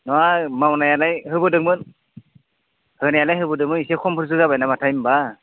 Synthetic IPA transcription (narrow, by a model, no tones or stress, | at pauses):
nɔwamawnajalajhɯbɯdɯŋmɯn | hɯnajalajɦɯbɯdɯŋmɯnisekʰɔmpʰɯɾzɯzabajnamatʰajmba